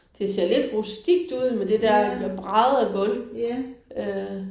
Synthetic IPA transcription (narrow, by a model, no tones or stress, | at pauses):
d̥e̝se̝ɐ̰le̝d̥ʁusd̥iɡ̥̚d̥uð̞̰ˠmed̥e̝d̥æɐ̰b̥ʁɑ̈ð̩ˠæɡ̥ɔl | ø